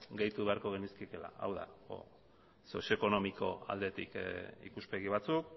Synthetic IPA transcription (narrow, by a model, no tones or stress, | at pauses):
ɡejt̪uβe̞aɾko̞ɣ̞eniskieke̞la̰a̰wða̰o̰ | so̞sjo̞eko̞no̞miko̞a̰ld̪e̞t̪ikḭkuspe̞ɣ̞iβ̞at͡suk